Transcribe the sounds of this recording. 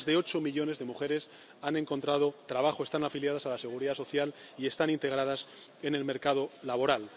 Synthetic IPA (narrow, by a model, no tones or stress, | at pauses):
zðe̞o̞t͡ʃomiʎo̞ne̞zðe̞muxe̞ɾe̞s | anẽ̞ŋko̞nt̪ɾað̞o̞t̪ɾaβaχoe̞st̪anafiljað̞asalase̞ɣ̞uɾiðaso̞θjal | ie̞st̪anint̪e̞ɣ̞ɾað̞as | e̞ne̞lme̞ɾkað̞o̞laβo̞ɾal